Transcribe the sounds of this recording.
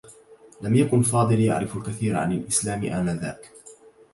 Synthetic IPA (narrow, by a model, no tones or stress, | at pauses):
lamjakʊnfɑːd̪ˤɨlja̰ʕɾɪfalkaθiːɾʕa̰nalʔɪslaːmʔamaːða̰ːk